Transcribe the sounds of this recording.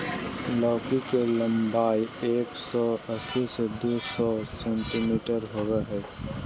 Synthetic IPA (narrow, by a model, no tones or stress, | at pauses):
lɔːkikelə̃mbaːieːksɔəsised̪oːsɔsẽɳʈimiːʈəɾɦoːɡeɦɛː